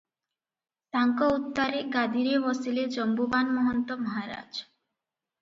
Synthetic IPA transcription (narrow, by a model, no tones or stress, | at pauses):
t̪aŋkɔut̪ːaɾeɡad̪iɾebɔsiled͡ʒɔmbubanmɔɦɔnt̪ɔmɔɦaɾa̰d͡ʒ